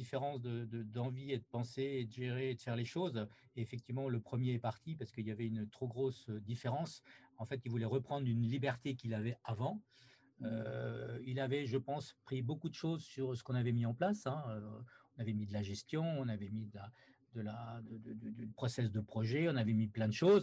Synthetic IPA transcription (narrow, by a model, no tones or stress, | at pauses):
d̪ifeʁɑ̃sd̪əd̪əd̪ɑ̃vied̪əpɑ̃seːd̪əʒeʁeːd̪əfɛʁleʃozeːfɛk̚t̪ivmɑ̃ləpχəmjeɛpaʁt̪ipaʁsə̥kəilavɛynt̪χoɡʁosød̪ifeʁɑ̃sɑ̃fɛt̪ilvulɛʁəpχɑ̃d̪ʁynlibɛʁt̪ekʲilavɛavɑ̃ | ø | ilavɛʒəpɑ̃spχibokud̪əʃozsyʁsə̥kɔ̃navɛmiɑ̃plasɛ̃øɔ̃navɛmid̪əlaʒɛst̪jɔ̃ɔ̃navɛmid̪əla | d̪əlad̪əd̪əd̪d̪əpχɔsɛs̬d̪əpχɔʒɛɔ̃navɛmiplɛ̃d̪əʃoz